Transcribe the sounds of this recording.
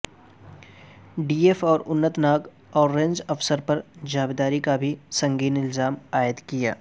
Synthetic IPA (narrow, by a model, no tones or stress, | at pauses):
ɖiːeːfɔːɾʊnːət̪naːk | ɔːɾːẽɲd͡ʒɐfsəɾpɐɾd͡ʒaːbd̪aːɾikabʱisɐ̃ŋɡiːnɪlzaːmaːjɪət̪kija̰ː